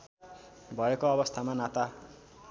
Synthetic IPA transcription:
bʱʌekoʌbʌst̪ʰamanat̪a

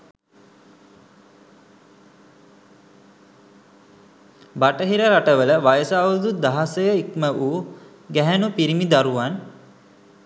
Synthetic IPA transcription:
baʈəɦiɾəɾaʈəʋələʋajəsaːʋud̪ud̪aɦasəjəikməʔu | ɡæɦænupiɾimid̪aɾuʋan

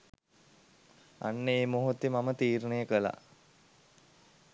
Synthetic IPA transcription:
a̰nːəeːmoɦut̪emamət̪iːɾənəjəkəla̰

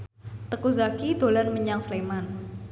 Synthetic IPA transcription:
t̪əkuzakid̪̥o̤lanməɲaŋsleman

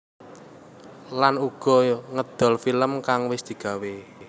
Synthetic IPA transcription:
lanuɡ̥ɔ̤ŋəd̪̥ɔ̤lfiləmkaŋwɪsd̪̥i̤ɡ̥a̤we

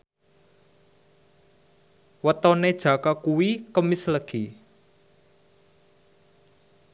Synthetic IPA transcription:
wət̪ɔned̥ʒ̥ä̤kakuwikəmɪsləɡ̥i

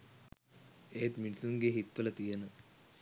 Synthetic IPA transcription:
eːt̪minisuŋɡeɦit̪ʋələt̪ijənə

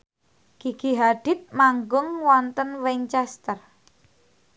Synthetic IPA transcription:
kiɡ̥iɦaɖ̪̥ɪ̤t̪̚maŋɡʊŋwɔnt̪ənwɛɲt͡ʃɛst̪ər

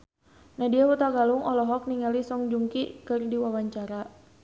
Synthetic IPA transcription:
nahdiawut̪aɡaluŋɔlɔɦɔk̚niŋalisɔŋd͡ʒuŋkikɨrdiwawaɲt͡ʃaɾa

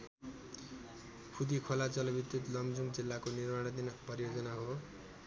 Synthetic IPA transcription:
kʰud̪ikʰolat͡sʌlʌbit̪ut̪lʌmd͡zuŋd͡zilːakonirmaɽ̃d̪inʌpʌɾijod͡zʌnaɦo

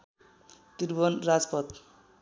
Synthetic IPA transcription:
t̪iɾbʌnrad͡zpʌt̪

